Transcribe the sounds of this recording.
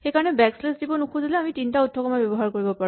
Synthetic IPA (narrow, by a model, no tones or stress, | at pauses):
xejkaɹɔnɛbɛkslesdibɔnukʰuzilɛamitintautʰːɔkɔmabjɔbɔɦaɹkoɹibɔpaɹ